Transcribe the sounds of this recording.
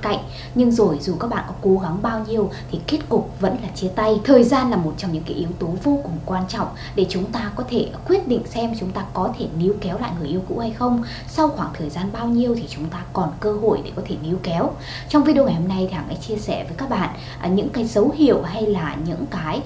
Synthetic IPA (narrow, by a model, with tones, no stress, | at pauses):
ka̰˧˨jŋ̟ | ɲɨ˧ŋzo˨˩jzu˨˩kaː˦˥k̚ɓa̰ː˧˨nkɔ˨˦ko˨˦ɣa˨˦ŋɓaː˧wɲi˧əwt̪ʰi˨˩ke˦˥t̚kʊ˨˩k͡p̚və̰˧˥nlaː˨˩t͡ɕi˧ət̪a˧jt̪ʰəː˨˩jzaː˧nlaː˨˩mo˨˩t̚t͡ɕɔ˧wŋ͡mɲɨ̰˧˥ŋkaː˨˦jʔi˨˦əwt̪o˨˦vo˧kʊ˨˩ŋ͡mkwaː˧nt͡ɕɔ̰˧˨wŋ͡m | ɗe˧˩t͡ɕʊ˨˦ŋ͡mt̪aː˧kɔ˨˦t̪ʰe˧˩kwi˦˥ət̚ɗḭ˧˨ŋ̟sɛ˧mt͡ɕʊ˨˦ŋ͡mt̪aː˧kɔ˨˦t̪ʰe˧˩ni˨˧əwkɛ˨˦wla̰ː˧˨jŋɨ˨˩əʔi˧əwkṵ˧˥ha˧jxə˧wŋ͡m | sa˧wxwaː˧˩ŋt̪ʰəː˨˩jzaː˧nɓaː˧wɲi˧əwt̪ʰi˨˩t͡ɕʊ˨˦ŋ͡mt̪aː˧kɔ˨˩nkəː˧ɦo̰˧˨jɗe˨˩kɔ˨˦t̪ʰe˧˩ni˨˧əwkɛ˨˦w | t͡ɕɔ˧wŋ͡mvi˧ɗe˧wŋa˨˩jho˧mna˧jt̪ʰi˨˩haː˨˩ŋʔa̰˨˦jt͡ɕi˧əsɛ˧˩vəː˨˦jkaː˦˥k̚ɓa̰ː˧˨nʔ | ʔɲɨ̰˧˥ŋkaː˨˦jzə˨˦whḭ˧˨əwɦa˧jlaː˨˩ɲɨ̰˧˥ŋkaː˨˦j